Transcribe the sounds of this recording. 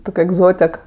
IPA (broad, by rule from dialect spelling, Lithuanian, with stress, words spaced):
ˈtoːkʲ ɛɡˈzoːtʲɛk